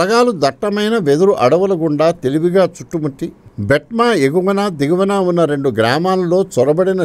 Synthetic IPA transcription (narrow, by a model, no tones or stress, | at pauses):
ɐɡaːlud̪ɐʈːɐmɐjnɐʋed̪uɾuʔɐɽɐʋɐlɐɡuɳɖaːt̪e̞liʋiɡaːt͡ʃuʈːumɐʈːibeʈ̚maːeɡuʋɐnaːd̪iɡɐʋɐnaːunːɐɾe̞ɳɖuɡɾaːmaːlulo̞ːt͡ʃɔɾɐbɐɽinɐ